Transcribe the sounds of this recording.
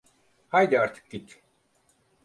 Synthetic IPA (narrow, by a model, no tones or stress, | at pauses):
hajd̪iaɾt̪ʰɯ̥k̚ɡit̪ʰ